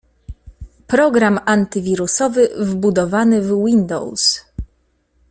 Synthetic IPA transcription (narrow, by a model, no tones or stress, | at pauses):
pɾɔɡɾamant̪ɘvʲiɾusɔvɘvbud̪ɔvanɘvwind̪ɔ̰ws